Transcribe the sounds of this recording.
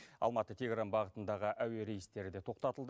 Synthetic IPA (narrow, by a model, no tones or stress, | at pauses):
ɑ̰lˠmɑt̪ət̪ʰʲe̞ɡranbɑʁət̪ənd̪ɑʁəʔæwe̞ɾe̞jɪst̪e̞ɾɪd̪e̞t̪ʰo̞q̚t̪ɑt̪əlˠd̪ə